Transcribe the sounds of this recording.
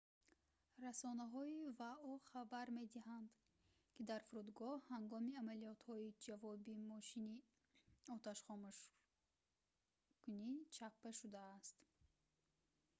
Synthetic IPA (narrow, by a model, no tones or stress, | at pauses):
rasɔnaɦɔivaɔχabaɾme̞d̪iɦand̪ | kʰid̪aɾfuɾud̪ɡɔhhaŋɡɔmiamalijɔt̪hɔid͡ʒavɔbimɔʃini | ɔt̪ʰaʃχɔmuʃ | kunit͡ʃʰappaʃud̪aːst̪